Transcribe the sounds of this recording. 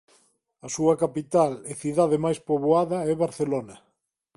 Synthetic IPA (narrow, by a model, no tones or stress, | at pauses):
ɐsuɐkapit̪aleθiðaðemajspoβoaðɐɛβaɾθelonɐ